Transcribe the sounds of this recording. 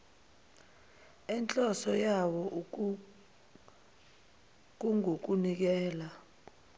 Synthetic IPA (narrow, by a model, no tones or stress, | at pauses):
ɛnt͡ɬʼɔsɔjawɔʔ | k̬uŋok̬unik̬ɛːla